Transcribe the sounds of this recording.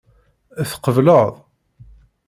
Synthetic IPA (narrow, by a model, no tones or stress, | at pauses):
æθqəvləðˤ